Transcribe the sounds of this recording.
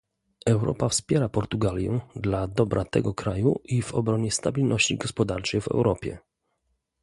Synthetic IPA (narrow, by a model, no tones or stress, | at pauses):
ɛwɾɔ̰pafspʲjɛɾapɔɾt̪uɡalʲjɛ̰d̪lad̪ɔbɾʔat̪ɛ̰ɡɔkɾajuʔivɔbɾɔɲɛst̪abʲilnɔɕt͡ɕḭɡɔspɔd̪aɾt͡ʂɛjvɛ̰wɾɔpʲjɛ̰